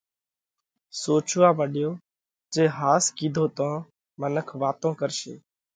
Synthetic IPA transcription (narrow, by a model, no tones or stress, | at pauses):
soːt͡ʃʋaːʋəɗɪjoː | d͡ʒeːɦaːskiːd̪ʱoːt̪õː | mənəkʰʋaːt̪õːkəɾʃḛː